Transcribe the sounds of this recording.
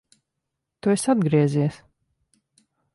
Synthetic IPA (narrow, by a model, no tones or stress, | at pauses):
t̪uesad̪ɡɾiɛzʲiɛs